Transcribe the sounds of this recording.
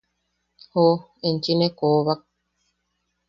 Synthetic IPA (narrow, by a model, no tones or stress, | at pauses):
ho | ent͡ʃinekoβak̚